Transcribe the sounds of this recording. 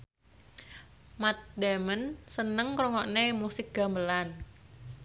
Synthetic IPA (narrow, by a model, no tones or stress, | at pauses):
mat̪̚d̪amənsənəŋkɾɔŋɔʔnemusɪk̚ɡ̥a̤mbəlan